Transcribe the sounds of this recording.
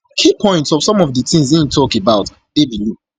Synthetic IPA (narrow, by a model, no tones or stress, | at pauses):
kʰipʰɔ̃ɪ̃ntsɔv̥sɔ̃mɔvdətĩŋzĩntʰɔkebaʊt | d̥ebilu